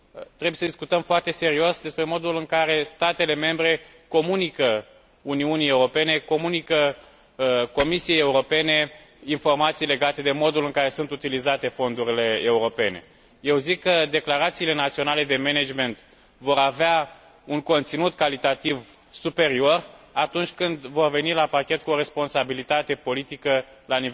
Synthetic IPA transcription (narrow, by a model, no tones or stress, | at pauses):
t̪ɾebujesəd̪iskut̪əmfoart̪e̞se̞ɾio̞sd̪e̞spɾe̞mo̞d̪ulɨŋkaɾe̞st̪at̪e̞le̞me̞mbɾe̞ | ko̞munikə | uniunie̞uɾo̞pe̞ne̞ko̞munikə | ko̞misije̞je̞uɾo̞pe̞ne̞ | info̞rmat̪sijle̞ɡat̪e̞d̪e̞mo̞d̪ulɨŋkaɾe̞sunt̪ut̪ilizat̪e̞fo̞nd̪uɾile̞euɾo̞pe̞ne̞̰ | je̞wzikːəd̪e̞klaɾat̪siːle̞nat̪sio̞nale̞d̪e̞me̞ned͡ʒme̞nt̪ | vo̞ɾavea | uŋko̞nt̪sinut̪kalit̪at̪iv | supe̞ɾio̞rat̪unt͡ʃʲkɨnd̪vo̞rve̞nilapakʲe̞t̪̚kuo̞ɾe̞spo̞nsabilit̪at̪e̞po̞lit̪ikəlaniv